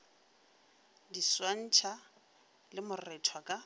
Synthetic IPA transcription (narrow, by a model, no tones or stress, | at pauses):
diswan̩t͡ʃʰa | lɪmʊrɛtʰwakʼa